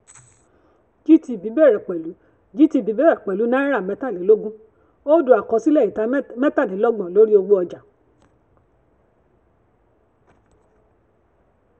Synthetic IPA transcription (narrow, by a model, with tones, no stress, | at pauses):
d͡ʒi˦ti˧˨bi˨˦bɛ˦˨ɾɛ˨k͡pɛ˨lu˨˦ | ɡi˦ti˧˦˨bi˨˦bɛ˦ɾɛ˨k͡pɛ˨lu˨˦nãː˦i˦ɾa˦˨mɛ̃˨˦ta˦˨le˨˦lo˦ɡũ˦ | o˦du˨a˨kɔ˨˧˦si˦lɛ˦˨i˨ta˧˦mɛ˦ta˦˨le˨˦lɔ˦ɡ͡bɔ̃˨lo˨˦ɾi˦o˧ɡ͡bu˦ɔ˧d͡ʒa˨